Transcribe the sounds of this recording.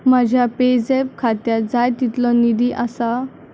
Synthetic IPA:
mad͡ʑʱjaped͡zep̚kʰat̪jad͡zajt̪it̪lɔnid̪iʔasa

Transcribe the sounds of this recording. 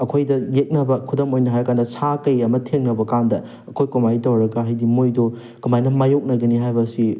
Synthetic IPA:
ɐkʰojdɐjek̚nɐbɐkʰudɐmojnɐɦajɾkandɐsakɐjɐmɐtʰeŋnɐbɐkandɐ | ɐkʰojkomajtɐwɾɐɡɐɦajdimojdo | kumajnɐmajok̚nɐɡɐniɦajbɐsi

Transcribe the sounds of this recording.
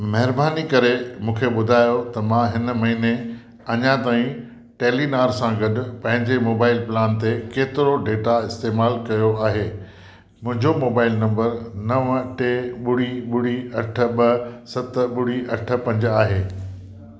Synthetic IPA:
mɐɦɪɾbaːnikɐɾemũːkʰeɓʊd̪ʱaːjot̪ɐmãɦɪnəmɐɦine | ɐɲãt̪aːĩ | ʈeːlinaːɾsãɡɐɗʊ̆pɐ̃ɦɪ̃ɲd͡ʑemoːbaːɪlplaːnt̪ekeːt̪ɪɾoɖeːʈaɪst̪eːmaːlkɐjoaːɦeː | mʊ̃ɦɪ̃ɲd͡ʑomoːbaːɪlnɐ̃mbəɾnɐʋʈeɓʊɽ̤iɓʊɽ̤iɐʈʰə̆ɓɐsɐt̪ɓʊɽ̤iʔɐʈʰə̆pɐ̃ɲd͡ʑaːɦeː

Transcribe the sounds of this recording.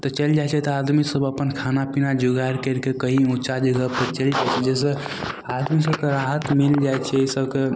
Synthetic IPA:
t̪ɔt͡ʃəld͡ʒajt͡ʃʰɛt̪ɔad̪misəbəpənkʰanapinad͡ʒuɡaɾkəɾkekəɦiut͡ʃad͡ʒəɡəb̚t̪ət͡ʃəld͡ʒajt͡ʃʰɛd͡ʒɛs̬e | ad̪misəb̚keɾaɦət̪mild͡ʒajt͡ʃʰɛsəbke

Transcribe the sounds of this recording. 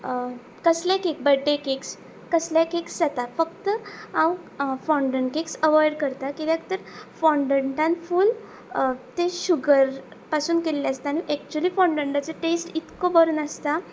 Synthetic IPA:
kəsljakek̚bəɖʱːekeks | kːəsljakeksd͡zat̪afək̚t̪əãw | fɔɳɖəɳʈkeksəʋɔjɖkəɾt̪akit̪jãkt̪əɾfɔɳɖəɳʈãnfuːl | t̪eɕuɡəɾ | pasuːnkellaəst̪aːñiʔɛk̚t͡ɕuəliːfɔ̃ɳɖəɳʈat͡seʈesʈit̪kobəɾuːnəst̪a

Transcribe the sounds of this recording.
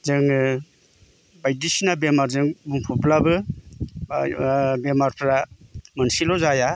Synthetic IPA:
zɯŋɯ | bajdisinabemaɾzɯŋbuŋpʰuplabɯ | bemaɾpʰɾamənsilɔzaja

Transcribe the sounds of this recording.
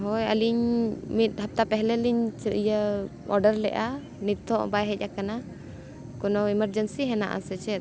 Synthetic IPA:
ɦɔja̰liɲmit̪̚ˀɦap̚t̪apɛɦlɛliɲt͡ʃijə | ɔ̰ɾɖəɾlɛ̰ʔa | nit̪ʰːɔʔbajɦɛc̚ʲˀakana | kɔnɔiməɾd͡ʒənsiɦɛna̰ʔa̰sɛt͡ʃɛt̪

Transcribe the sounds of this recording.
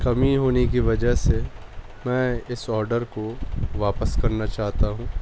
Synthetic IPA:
kɐmiɦoːnekiʋɐd͡ʒəɦse | mɛ̃ːɪsɔːɾɖəɾkoʋaːpəskɐɾnat͡ʃaːɦt̪aɦũː

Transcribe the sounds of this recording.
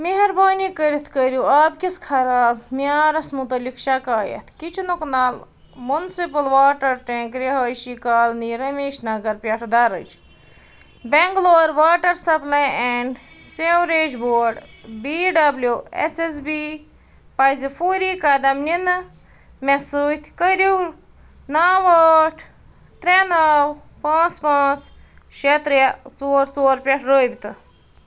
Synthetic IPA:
meɦɐɾbaːniːkəɾit̪ʰkəɾjuaːb̚kiskʰɐɾaːbmiaːɾɐsmut̪ɐlikʃɐkaːjɐ̰t̪ʰkit͡ʃʰunoknaːl | munsipɐlʋaːʈɐɾʈẽːkɾeɦɐːjʃikaːlniːɾɐmeːʃnɐɡɐɾpʲɐʈʰd̪aɾə̰t͡ʃʰ | beŋɡloːɾʋaːʈɐɾsɐplɐjeɳɖ | sewɾeːd͡ʒboːɾɖbiːɖɐbljuḛses̬bi | pɐjzifuːɾiːkɐd̪ɐmninɨ | mʲesuːt̪ʲʰkəɾiw | naːʋaːʈʰ | t̪ɾenaw | pãːt͡spãːt͡s | ʃet̪ɾjat͡soːɾt͡soːɾpʲɐʈʰɾoːjbʲit̪ʰɨ

